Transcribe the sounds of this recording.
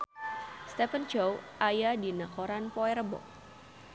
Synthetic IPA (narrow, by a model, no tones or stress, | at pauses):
st̪ɛfənt͡ʃowʔajadinakoɾanpɔɛɾəbɔ̰